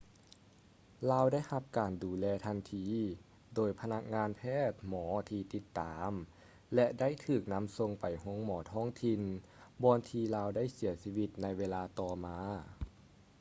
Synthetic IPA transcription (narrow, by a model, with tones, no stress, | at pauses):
laː˧wda˥˩˨jha˧˦p̚kaː˨˩nduː˨˩lɛː˧t̪ʰa˧nt̪ʰiː˧˩ | doː˨˩jpʰa˧na˧˥k̚ŋaː˧npʰɛː˥˩t̪̚mɔː˩˦t̪ʰiː˧t̪i˧˥t̪ːaː˨˩m | lɛ˧da˥˩jt̪ʰɯː˧˩k̚na˧˥mso˧ŋpa˨˩jhu˧˥ə˥ŋmɔː˨˩˦t̪ʰɔː˥˩ŋt̪ʰi˧n | bɔː˧nt̪ʰiː˧laː˧wda˥˩jsi˨˩˦ɐsiː˧wi˧˩t̪̚na˧jweː˧laː˧t̪ɔː˧maː˧